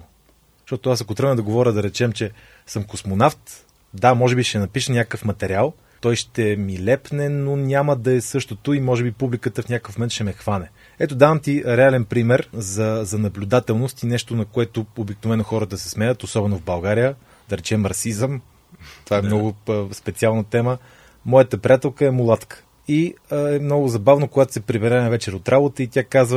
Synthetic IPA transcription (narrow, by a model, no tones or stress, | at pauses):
ʃt̪ɔt̪oasɐkot̪ɾənəd̪ɐɡovɔɾʲəd̪ɐɾɛt͡ʃɛmt͡ʃɛ | sɤmkosmonaft̪ | d̪amɔʒɛbiʃɛnɐpiʃənʲakkəfmɐt̪ɛɾʲialˠ | t̪ɔjʃt̪ɛmilɛpnɛnonʲaməd̪ɐɛsɤʃt̪ot̪ʊimɔʒɛbipublikət̪əfnʲakəfmomɛnt̪ʃɛmɛxvanɛ | ɛt̪od̪avəmt̪iɾɛalɛnpɾimɛɾzɐzɐnɐblʲʊd̪at̪ɛlˠnost̪inɛʃt̪onɐkoɛt̪ʊobiknovɛnoxɔɾət̪əsɛ̥smɛjət̪osɔbɛnovbɐlˠɡaɾijə | d̪ɐɾɛt͡ʃɛmɾɐsizəm | t̪ovaɛmnɔɡʊspɛt̪sialˠnət̪ɛmə | mɔjət̪əpɾiat̪ɛlˠkəɛmulˠat̪kə̥ | iɛmnɔɡʊzɐbavnokoɡat̪o̥sɛpɾivɛɾɛnavɛt͡ʃɛɾot̪ɾʔabot̪əit̪ʲjakazvə